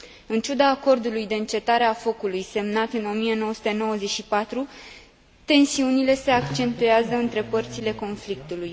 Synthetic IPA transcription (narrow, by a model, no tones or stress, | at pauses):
ɨnt͡ʃud̪aːko̞rd̪ulujd̪e̞ɨnt͡ʃe̞t̪aɾe̞afo̞kulujse̞mnat̪ɨno̞mije̞no̞wəsu̥t̪e̞no̞wəze̞ʃipat̪ɾu | t̪e̞nsiunile̞se̞akt͡ʃe̞nt̪ujeazəɨnt̪ɾe̞pərt̪sile̞ko̞nflik̚t̪uluj